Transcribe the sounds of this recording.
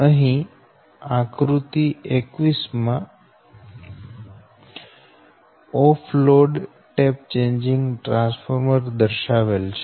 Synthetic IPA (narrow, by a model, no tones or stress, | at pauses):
əɦĩ | ãkɾut̪iekʋismã | ɔfʰloɖ | ʈep̚t͡ʃẽɲd͡ʒiŋɡʈɾãnsfʰoɾməɾd̪əɾʃaʋelt͡ʃʰe